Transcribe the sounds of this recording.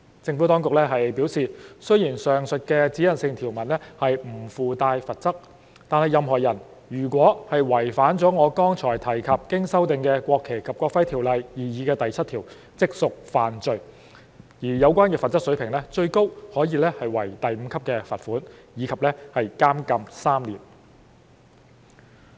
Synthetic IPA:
t͡sɪ˧ŋfu˨˥t̪ɔː˥ŋkʊ˨k̚lɛ˥ɦɐ˨jpiː˨˥wsiː˨sɵ˥ɥjiː˨˩nsœː˨ŋsɵ˨t̚kɛ˧t͡siː˨˥jɐ˨nsɪ˧ŋt̪ʰiː˨˩wmɐ˨˩nlɛ˥hɐ˨jm̩˨˩fuː˨t̪aː˧jfɐ˨t̚t͡sɐ˥k̚ | t̪aː˨˧nhɐ˨˩jɐ˨mɦɔː˨˩jɐ˨˩n | jyː˨˩kʷɔː˨˥hɐ˨jwɐ˨˩jfaː˨˥nt͡sɔː˨˥ŋɔː˨˧kɔː˥ŋt͡ʃʰɔː˨˩jt̪ʰɐ˨˩jkʰɐ˨p̚kɪ˥ŋsɐ˥wt̪ɪ˨ŋkɛː˧kʷɔː˧kʰːe˨˩jkʰɐ˨p̚kʷɔː˧kfɐ˥jt̪ʰiː˨˩wlɐ˨jjiː˨jiː˨˧kɛː˧t̪ɐ˨jt͡sʰɐ˥t̚t̪ʰiː˨˩w | t͡sɪ˥k̚sʊ˨k̚faː˨nt͡sɵ˨˧ɥ | jiː˨˩jɐ˨˧wkʷaː˥nkɛː˧fɐ˨t̚t͡sɐ˥k̚sɵ˨˥ɥpʰɪ˨˩ŋlɛː˥t͡ʃɵ˧ɥko˥whɔː˨˥jiː˧lɛ˥hɐ˨jwɐ˨˩jt̪ɐ˨jm̩˨˧kʰɐ˥p̚kɛː˧fɐ˨t̚fuː˨˥njiː˨˧kʰɐ˨p̚lɛː˥hɐ˨jkaː˥mkɐ˧msaː˥mliː˨˩n

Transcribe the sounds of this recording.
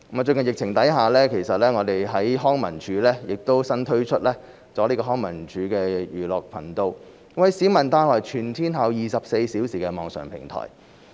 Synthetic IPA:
t͡ʃɵ˧kɐ˨njɪ˨k̚t͡sʰɪ˨˩ŋt̪ɐ˨˥jɦaː˨˧lɛː˥kʰe˨˩jsɐ˨t̚lɛː˥ŋɔː˨˧t̪e˨jɦɐ˨˥jɦɔː˥ŋmɐ̰˨˩nt͡ʃʰyː˨˥lɛː˥jɪ˨k̚t̪o˥wsɐ˥nt̪ʰɵ˥ɥt͡ʃʰɵ˥t̚lɛː˥ | t͡sɔː˨˥liː˥kɔː˧˥ɔː˥ŋmɐ̰˨˩nt͡ʃyː˨˧˥kɛː˧jyː˨lɔː˨˩k̚pʰɐ̰˨˩nt̪o˧w | wɐ˨˧jsiː˨˥mɐ˨˩nt̪aː˧˥nlɔː˨˩jt͡ʃʰyː˨˩nt̪ʰiː˥nɦɐ˨˧wjiː˨˧sɐ˨p̚se˧jsiː˨˥wsiː˨˩kɛː˧mɔː˨ŋsœ̰ː˨˩ŋpʰɪ̰˨˩ŋt̪ʰɔ̰ː˨˩j

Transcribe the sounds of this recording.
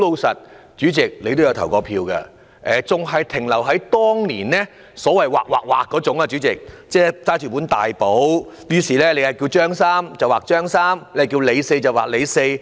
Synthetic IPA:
lo˧wsɐ˨t̚ | t͡ʃyː˨˥t͡sɪ˨k̚le˨˧jt̪jwt̪ʰɐ˨˩wkɔː˧pʰiː˧wkɐ̰˧ | ʔɛː˨˩t͡sʊ˨ŋɦɐ˨jt̪ʰɪ˨˩ŋlɐ˨˩wɦɐ˨˥jt̪ɔː˥ŋliː˨˩nlɛː˥ | sɔː˨˥wɐ˨jwaː˨k̚waː˨k̚waː˨kːɔː˨˥t͡sʊ˨˥ŋaː˧t͡ʃyː˨˥t͡sɪ˨˩k̚ | t͡sɛː˥t͡saː˥t͡ʃʰyː˨˩puː˨˥nt̪aː˨jpo˨˥wjyː˨˧siː˨˩lɛː˥le˨˧hɐ˨˩jkiː˧wt͡ʃœː˥ŋsaː˥mt͡sɐ˨waː˨k̚t͡ʃœː˥ŋsaː˥mle˥˨˩ki˧wle˨˧jse˧jt͡sɐ˨˩waː˨k̚le˨˧jse˧j

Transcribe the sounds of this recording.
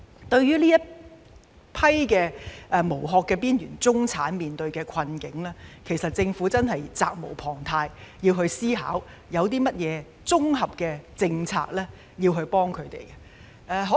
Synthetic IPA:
t̪ɵ˧ɥjyː˥liː˥jɐ˥t̚ | pʰɐ˥jkɛː˧ʔɛː˧mo˨˩wɦɔː˨˧kːɛː˧piː˥njyː˨˩nt͡sʊ˥ŋt͡sʰaː˨˥nmiː˨nt̪ɵ˧ɥkɛː˧kʰɐ˧nkɪ˨˥ŋlɛː˥kʰe˨˩jsɐ˨t̚t͡sɪ˧ŋfuː˨˥t͡sɐ˥nɦɐ˨jt͡sa̰ː˧k̚mo̰˨˩wpʰɔː˨˩ŋt̪ʰaː˧jjiː˧wɦɵ˧ɥsiː˥ɦa̰ː˨˥w | jɐ˨˧wt̪̬iː˥mɐ˥t̚jɛː˨˧ | t͡sʊ˥ŋɦɐ˨p̚kɛː˧t͡sɪ˧ŋt͡sʰa̰ː˧k̚lɛː˥ | jiː˧wɦɵ˧ɥpɔː˥ŋkʰɵ˨˧ɥt̪ḛ˨˩jkɛ˧ | ʔɛː˧ɦɔː˨˥

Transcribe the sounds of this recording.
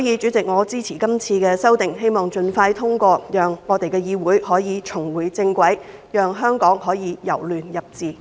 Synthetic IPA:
jiː˨˧t͡ʃyː˨˥t͡sɪ˨k̚ŋɔː˨˧t͡siː˥t͡sʰiː˨˩kɐ˥mt͡sʰiː˧kɛː˧sɐ˥wt̪ɪ˨˩ŋɦe˥jmɔː˨˩ŋt͡ʃɵ˧nfaː˧jt̪ʰʊ˥ŋkʷɔː˧jœː˨ŋːɔː˨˧t̪e˨jkɛː˧jiː˨˧wuː˨˥jhɔː˨˥jiː˨˧t͡sʰʊ˨˩ŋwuː˨˩jt͡sɪ˧ŋkʷɐ˨˥j | jœː˨ŋɦœː˥ŋkɔː˨˥ŋhɔː˨˥jiː˨˧jɐ̰˨˩wlyː˨njɐ˨˩p̚t͡siː˨˩

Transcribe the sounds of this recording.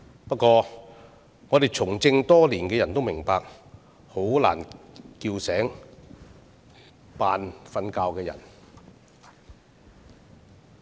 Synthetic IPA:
pɐ˥t̚kʷɔː˧ | ŋɔː˨˧t̪e˨˩jt͡sʰʊ˨˩ŋt͡sɪ˧ŋt̪ɔː˥liː˨˩nkɛː˧jɐ˨˩nt̪o˥wmɪ˨˩ŋpaː˧k̚ | ho˨˥wla̰ː˨˩nkiː˧wsɛː˨˥ŋ | paː˨nfɐ˧nkaː˧wkɛː˧jɐ̰˨˩n

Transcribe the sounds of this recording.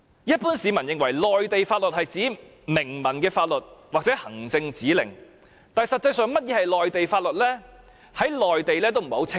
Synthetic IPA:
jɐ˥t̚puː˥nsiː˨˧mɐ˨˩njɪ˨ŋwɐ˨˩jlɔː˨jt̪e˨jfaː˧t̚lɵ˨t̚hɐ˨jt͡siː˨˥ | mɪ˨˩ŋmɐ˨˩nkɛː˧faː˧t̚lɵ˨t̚waː˨k̚t͡sɛː˨˥hɐ˨˩ŋt͡sɪ˧ŋt͡siː˨˥lɪ̰˨˩ŋ | t̪aː˨jsɐ˨t̚t͡sɐ˧jsœː˨˧ŋmɐ˥t̚jɛː˨˧hɐ˨jlɔː˨jt̪e˨jfaː˧t̚lɵ˨t̚lɛː˥ | hɐ˨˥jlɔː˨˩jt̪e˨jlɛː˥t̪o˥wm̩˨˩ho˨˥wt͡sʰɪ˥

